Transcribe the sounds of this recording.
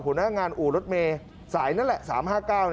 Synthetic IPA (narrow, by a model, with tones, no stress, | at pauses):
pʰu˩˦naː˦˧˥ŋaː˧nʔuː˨˩ɾo˦˥t̪̚meː˧ | saː˩˦jna˦˥nlɛ˨˩ʔsaː˩˦mɦaː˥˩kaː˥˩wn